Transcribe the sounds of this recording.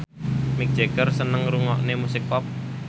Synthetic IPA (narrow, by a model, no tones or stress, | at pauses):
mɪk̚d͡ʒ̥eɡərsənəŋɾuŋɔ̰ʔnemusɪk̚pɔp̚